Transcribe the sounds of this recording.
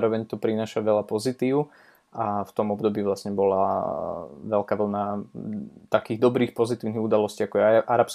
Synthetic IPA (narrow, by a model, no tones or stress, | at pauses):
ɾɔʋɛɲt̪ɔpɾinaːʃaʋɛʎapɔzit̪iːʊ | ʔaft̪ɔmɔbd̪ɔbiːʋlasɲɛbɔla | ʋɛlkaːʋl̩na | t̪akiːɣd̪ɔbɾiːxpɔzit̪iːʊniɣud̪alɔsciːakɔjɛʔaɾaps